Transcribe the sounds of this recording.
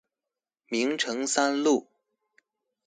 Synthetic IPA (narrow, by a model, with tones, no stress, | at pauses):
mi˧˥ŋʈ͡ʂʰɤ˧˥ŋsa˥nlu˥˩